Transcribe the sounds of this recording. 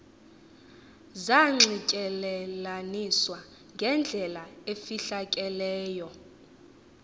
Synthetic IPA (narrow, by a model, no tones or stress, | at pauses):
zaŋ͡ǀicʼɛlɛlaniswa | ŋɡʱɛnd͡ɮʱɛlaefiɬakʼɛlɛːjɔ